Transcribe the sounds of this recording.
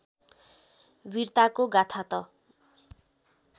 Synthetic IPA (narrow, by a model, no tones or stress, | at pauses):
wirt̪akoɡat̪ʰat̪ʌ